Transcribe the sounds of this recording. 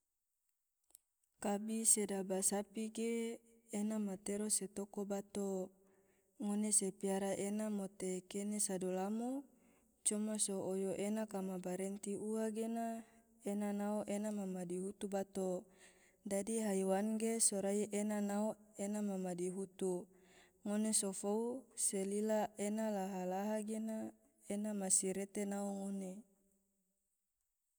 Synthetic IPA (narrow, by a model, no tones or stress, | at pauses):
kabisedabasapiɡeː | namat̪eɾoset̪okobat̪o | ŋonesepiaɾaʔenamot̪ekenesadolamo | t͡ʃɔmasoːjoʔenakamabaɾent̪iuaɡena | enanaoʔenamamadiɦut̪ubat̪o | dadiɦaiwanɡesoɾaiʔenanaoenamamadiɦut̪u | ŋonesofouselilaenalaɦalaɦaɡena | enamasiɾet̪enaoŋone